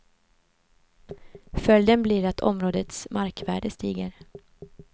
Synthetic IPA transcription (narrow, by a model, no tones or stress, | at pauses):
fœljd̪ənblɪɾat̪ʰɔ̰mɾoːd̪ət̪smʔaɾkvæːɖəst̪iːɡəɾ